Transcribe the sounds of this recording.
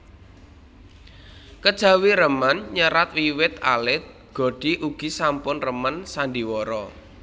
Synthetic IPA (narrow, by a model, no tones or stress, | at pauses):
kəd̥ʒ̥ä̤wiɾəmənɲəɾat̪wiwɪt̪a̰lɪt̪̚ | ɡ̥o̤ɖ̥i̤ʔuɡ̥i̤sampʊnrəmənsand̪iwɔɾɔ